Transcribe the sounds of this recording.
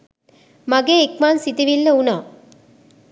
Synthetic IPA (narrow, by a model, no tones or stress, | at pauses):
maɡeːikmaːnsit̪iʋilːəunaː